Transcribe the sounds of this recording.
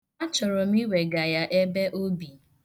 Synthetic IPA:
a˦t͡ʃɔ˨ɾɔ˨m̩˦i˦we˨ɡa˨ja˦ʔe˦be˦ʔo˦bi˨

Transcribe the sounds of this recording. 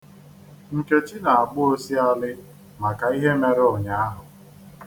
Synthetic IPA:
ŋ̩˨ke˦t͡ʃi˦na˨a˨ɡ͡bʊ˦o˦si˦a˦lɪ˦ | ma˨ka˨i˦ɦe˦me˨ɾo˨ɲa˦a˦ɦʊ˨

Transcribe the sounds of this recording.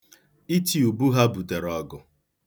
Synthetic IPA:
i˦ti˦˨u˨bu˦ɦa˦bu˨te˨ɾɔ˦ɡʊ˨

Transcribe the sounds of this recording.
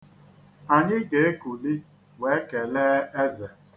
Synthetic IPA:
a˨ɲɪ˦ɡe˨e˦ku˨li˦ | we˦ke˨le˦e˦zɛ˨

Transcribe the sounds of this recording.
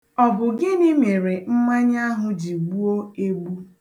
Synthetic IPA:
ɔ˨bʊ˨ɡɪ˦ni˦me˨ɾe˨m̩˦ma˦ɲ˦a˦ɦʊ˦d͡ʒi˨ɡ͡bu˦o˦e˦ɡ͡bu˦

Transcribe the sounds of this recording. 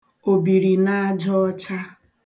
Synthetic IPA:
o˨bi˨ɾi˨na˦a˦d͡ʒɔ˦ɔ˦t͡ʃa˦

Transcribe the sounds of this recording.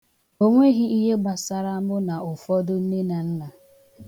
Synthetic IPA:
o˦ŋʷe˦ɦi˦i˦ɦe˦ɡ͡ba˨sa˨ɾa˦a˦bʊ˦na˨ʊ˨fɔ˦dʊ˦n̩˦ne˦na˨n̩˦na˨

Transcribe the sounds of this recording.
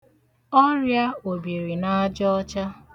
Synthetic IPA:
ɔ˦ɾja˦o˨bi˨ɾi˨na˦a˦d͡ʒɔ˦t͡ʃa˦

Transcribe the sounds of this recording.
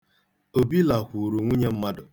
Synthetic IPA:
o˨bi˦la˨kʷu˨ɾu˨ŋʷi˦ɲe˦m̩˦ma˦dʊ˨

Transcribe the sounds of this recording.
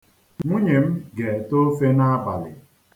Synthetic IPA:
ŋŋʷu˦ɲe˨m̩˦ɡe˨to˦fe˦na˦a˦ba˨lɪ̰˨

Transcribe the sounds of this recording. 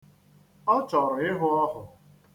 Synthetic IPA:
ɔ˦t͡ʃɔ˨ɾʊ˨ɪ˦ɦʊ˦ɔ˦ɦʊ˨

